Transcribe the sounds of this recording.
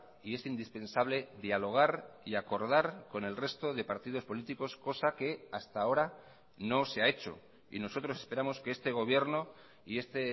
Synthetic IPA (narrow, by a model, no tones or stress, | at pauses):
ie̞sind̪ispe̞nsaβ̞le̞ðjalo̞ɣ̞aɾiako̞ɾð̞aɾko̞ne̞lre̞st̪o̞ðe̞paɾt̪ið̞o̞spo̞lit̪iko̞sko̞sake̞ast̪ao̞ɾa | no̞se̞ae̞t͡ʃo̞̰ | ḭno̞so̞t̪ɾo̞se̞speɾamo̞skeest̪e̞ɣ̞o̞β̞je̞ɾno̞ | ie̞st̪e̞